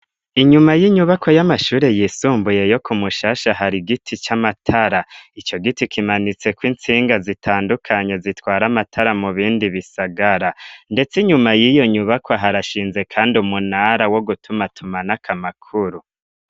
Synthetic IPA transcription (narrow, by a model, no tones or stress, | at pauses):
iɲumajiɲuβakʰo̞jamaʃuːɾe̞jiːsuːmbuje̞jo̞kumuʃaːʃaɦaɾiɡitʰit͡ʃamatʰaɾait͡ʃo̞ɡitikimanit͡se̞kwint͡siːŋɡazitʰaːndukʰaɲe̞zitwaːɾamatʰaɾamuβiːndiβisaɡaɾande̞t͡siɲumajijo̞ɲuβakʰaɦaɾaʃiːnze̞kʰaːndiumunaɾawo̞ɡutʰumatʰumanakʰamakʰuɾu